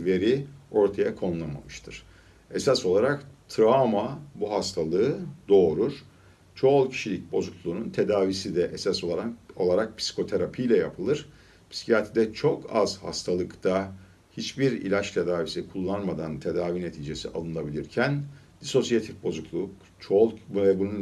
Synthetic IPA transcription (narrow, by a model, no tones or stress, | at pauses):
ve̞ɾio̞ɾt̪ʰajakʰo̞nulˠama̰mɯʃt̪ʰɯɾ̥ | esaso̞lˠaɾakt̪ʰɾamabuɦast̪ʰalˠɯɯd̪o̞ːɾuɾ̥ | t͡ʃʰo̞lˠcʰi̥ʃilʲic̚bo̞zuklˠuːnunt̪ʰe̞d̪aːvisid̪ɛʔɛsaso̞lˠaɾo̞lˠaɾak̚pʰsi̥kʰo̞t̪ʰe̞ɾapʰijlʲɛjapʰɯlˠɯɾ̥ | pʰi̥si̥cʰiat̪ʰid̪ɛt͡ʃʰo̞kʰa̰z̥ha̰st̪ʰalˠɯkt̪ʰa | hit͡ʃbiɾḭlʲat͡ʃt̪ʰe̞d̪aːvisikʰulˠːanmad̪ant̪ʰe̞d̪aːvine̞t̪ʰiːd͡ʒe̞sia̰lˠɯnˠabilʲiɾcʰæn | d̪̥iso̞sijat̪ʰifbo̞zuklˠuk | t͡ʃʰolˠɛbunun